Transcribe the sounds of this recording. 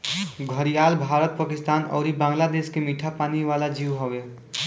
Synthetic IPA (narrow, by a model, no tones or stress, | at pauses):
ɡʱəɾijaːlbʱaːɾət̪̚pakɪst̪aːnɔ̰ːɾibãːŋɡlad̪eːskemiʈʰapaːniʋaːlad͡ʒiʋɦoʋe